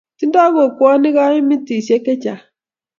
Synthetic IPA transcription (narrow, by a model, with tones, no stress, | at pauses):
ti˦n̩˦dɔ˦ɡo˨ku˨˦ɔ˦nɪ˦ɣa˦ɲɪ˦mi˦ti˨sje˦ke˦t͡ʃa˨